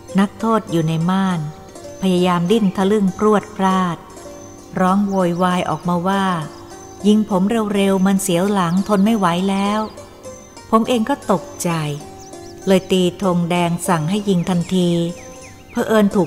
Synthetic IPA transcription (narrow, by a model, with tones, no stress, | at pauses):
na˦˥k̚t̪ʰoː˥˩t̪̚juː˨˩na˧jmaː˥˩n | pʰa˧jaː˧jaː˧mdi˥˩nt̪ʰa˧˩lɯ˥˩ŋpʰɾu˥˩ət̪̚pʰɾaː˥˩t̪̚ | ɾɔː˦˥ŋwoː˧jwaː˧jʔɔ̰ː˨˩k̚maː˧waː˥˩ | ji˧ŋpʰo˩˦mɾe˧wɾe˧wma˧nsi˨˩˦əwla˩˦ŋt̪ʰo˧nma˥˩jwa˩˦jlɛː˦˥w | pʰo˩˦mʔeː˧ŋkɔː˥˩t̪o˨˩k̚t͡ɕa˨˧j | lɤː˧jt̪iː˧t̪ʰo˧ŋdɛː˧ŋsa˨˩ŋɦa˥˩jːi˧ŋt̪ʰa˧nt̪ʰiː˧ | pʰɔ˦˧˥ʔɤː˧nt̪ʰuː˨˩k̚